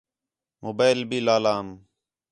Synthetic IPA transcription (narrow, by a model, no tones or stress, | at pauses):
moːbaːɪlbiːlaːlaːm